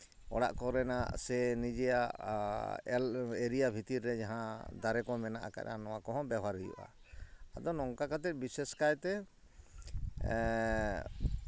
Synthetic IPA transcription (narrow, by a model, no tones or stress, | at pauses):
ɔ̰ɽa̰ʔkɔɾɛnaʔsɛnid͡ʒɛjaʔ | ɛleɾijabʱit̪iɾːɛd͡ʒaɦãd̪aɾɛkɔmɛnaʔa̰ka̰ʔa̰nɔwakɔɦɔ̃baɦaɾijṵʔa̰ | ad̪ɔnɔŋkakat̪ɛt̪̚ˀbisɛskajt̪ɛ